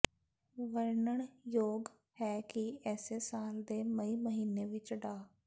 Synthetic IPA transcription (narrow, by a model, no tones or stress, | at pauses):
ʋəɾɳəɳjoːɡ | hɛːkɪɛːseːsaːld̪eːməiːməɦiːneːʋɪt͡ʃɖaː